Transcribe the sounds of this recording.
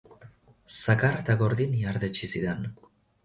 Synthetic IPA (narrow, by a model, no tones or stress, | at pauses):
sakaɾet̪aɣo̞ɾðiniaɾðet͡ʃisiðen